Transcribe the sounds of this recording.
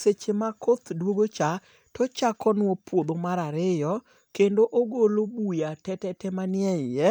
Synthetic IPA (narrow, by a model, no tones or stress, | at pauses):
set͡ʃemakʰot̪dwoɡot͡ʃa | tɔt͡ʃakɔnwɔpwod̪omaɾaɾɪjɔ | kendoʔoɡolobujatɛtɛtɛmanjɛɪjɛ